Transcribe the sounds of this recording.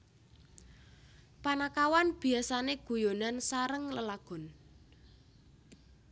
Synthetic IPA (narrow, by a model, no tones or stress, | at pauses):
panakawanb̥i̤asaneɡ̥ṳjonansaɾəŋləlaɡ̥ɔ̤n